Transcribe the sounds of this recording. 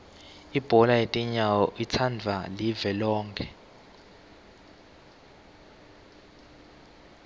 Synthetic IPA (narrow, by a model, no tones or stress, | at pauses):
ib̥ʱɔlajetʼiɲawɔʔit͡sʰand͡vʱalivɛlɔːŋkʰɛ